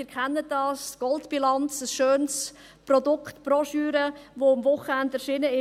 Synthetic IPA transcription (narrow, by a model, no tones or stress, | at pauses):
iːɾkʰɛnːədɑːsɡ̥ɔltb̥ilɑnt͡səsʃøːns | pɾɔdʊkχtpɾɔʃyːɾəvoːɑmvʊχəɛndæɾʃiːnəɪ